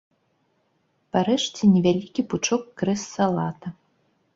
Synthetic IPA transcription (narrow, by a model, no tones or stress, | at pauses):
paɾɛʂt͡sʲɛnʲɛvʲalʲikʲiput͡ʂɔkːɾɛsːalˠat̪ɐ